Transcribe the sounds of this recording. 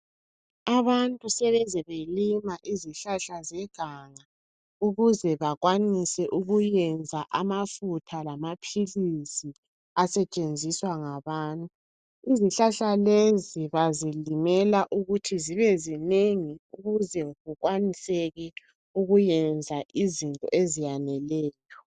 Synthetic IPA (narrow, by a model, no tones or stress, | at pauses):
aβantʼusɛβɛzɛβelimaʔiziɬaɬazɛɡ̥ʱaŋa | uɣuzɛβaɣwanisɛʔuɣujɛnd͡zʱaʔamafutʰalamapʰilisi | asɛt͡ʃʼend͡zʱiswaŋaβaːntʼu | iziɬaɬaleziβazilimɛlaʔuɣutʰiziβɛzineŋiuɣuzɛɣuɣwanisɛɣɛ | uɣujɛnd͡zʱaʔizintʼɔ̰ʔezijanɛlɛːjʰɔ̥